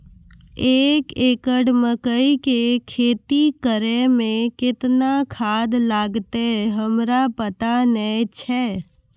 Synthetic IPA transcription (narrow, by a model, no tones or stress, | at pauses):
eːkeːkəɽməkəikekʰeːt̪ikəɾemẽkɪt̪nakʰaːd̪laːɡt̪eɦəmɾapət̪anəĩt͡ʃʰɛː